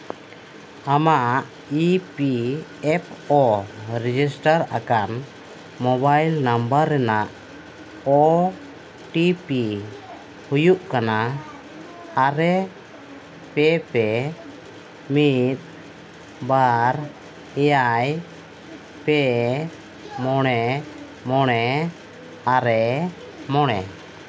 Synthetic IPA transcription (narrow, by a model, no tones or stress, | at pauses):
amaʔʔ | ipiɛp̚ʰɔɾɛd͡ʒisʈaɾa̰kan | mɔbajlnambaɾːɛnaʔ | ɔ | ʈipi | hujuʔkana | ɾɛ | pɛpɛ | mit̪̚ˀ | baɾ | ɛjaj | pɛ | mɔɽ̃ɛ | mɔɽ̃ɛ | aɾɛ | mɔɽ̃ɛ̰